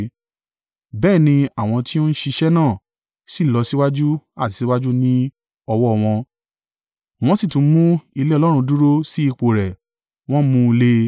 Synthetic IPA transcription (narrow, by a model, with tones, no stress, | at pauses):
bɛː˦˨nĩ˧a˦˨w̃ɔ̃˧ti˦o˦n̩˦ʃi˧ʃɛ˦nãː˦˨ | si˨lɔ˧si˦wa˦d͡ʒu˦a˦˨si˨si˨˦wa˦d͡ʒu˦nĩ˦ | ɔ˧wɔ˦˧˨w̃ɔ̃˧ | w̃ɔ̃˦si˦˨tũ˧˦mũ˦i˧le˦ɔ˧lɔ˦ɾ̃ũ˧du˦ɾo˦si˦i˧k͡po˨ɾɛ˨ | w̃ɔ̃˦mũ˦˧le˦